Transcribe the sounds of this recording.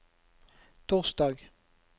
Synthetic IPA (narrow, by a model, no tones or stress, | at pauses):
t̪ʰuːʁsd̪ɑːɡ